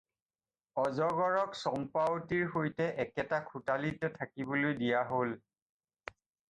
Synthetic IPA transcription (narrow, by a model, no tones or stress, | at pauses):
ɔzɔɡɔɹɔksɔmpawtiɹxojtɛʔɛkɛtakʰutalitɔtʰakibolojdijaɦol